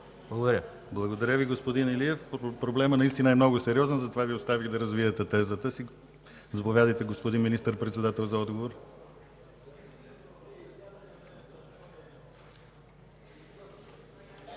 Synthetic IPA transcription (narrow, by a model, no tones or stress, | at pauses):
blˠəɡod̪ɐɾʲə | blˠɐɡod̪ɐɾʲəviɡospod̪inɛliɛfpɾoblɛmənɐist̪inəɛmnɔɡʊsɛɾʲiɔzɛnzɐt̪ovaviost̪aviɣd̪ɐɾəzviɛt̪ɛt̪ɛzət̪əsi | zɐpovʲjad̪əjt̪ɛɡospod̪inminist̪əɾpɾɛt̪sɛd̪at̪ɛlˠzɐɔd̪ɡovoɾ